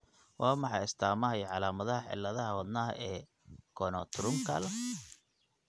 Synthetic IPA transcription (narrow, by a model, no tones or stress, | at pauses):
wʔɑːmɑħɑjɪst̪ʰaːmɐɦɐjʕɑlaːmɐðɐɦɐħɪ̰lːɐðɐɦɐwɐd̪naːɦɐ̰ʔɛː | kʰɔnɔt̪ʰʊɾʊŋkʰɐ̰lɐ